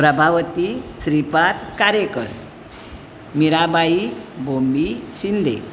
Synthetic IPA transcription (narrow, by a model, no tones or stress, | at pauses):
pɾəbʱaʋt̪isɾipat̪kaɾjekə̰ɾ | miɾabʱaibomiɕind̪ʱḛ